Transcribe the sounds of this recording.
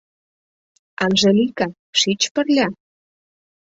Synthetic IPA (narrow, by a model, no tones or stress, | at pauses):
ɑnʒelikɑ | ʃit͡ɕpərlʲɑ